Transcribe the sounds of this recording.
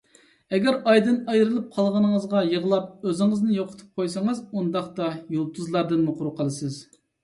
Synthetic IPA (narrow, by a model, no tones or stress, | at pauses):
ɛɡʲæɾɑjd̪ɨnɑjɾɨlˠɨp̚qʰɑlˠʁənɨŋəzʁɑjəʁəlˠɑp̚øzɪŋəznɪjoqʰə̥t̪ʰɨ̥p̚qʰojsɑŋɨzund̪ɑχt̪ɑjulˠt̪ʰuzlˠɑɾd̪ɨnmuqʰʊɾuqʰəlˠɨsɨz